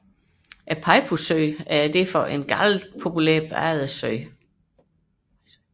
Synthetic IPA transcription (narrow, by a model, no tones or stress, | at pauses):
ʔæpʰɑ̈ɪpʰusøɪæɐd̥e̝fɒ̽ʔe̝nɡ̥ɑl̥pʰo̝pʰulḛɐ̰b̥ɑ̰ð̩ˠəsøɪ̰